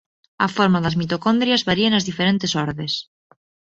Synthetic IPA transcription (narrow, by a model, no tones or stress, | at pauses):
afoɾmaðazmit̪okond̪ɾjazβaɾianazðifeɾent̪esoɾðes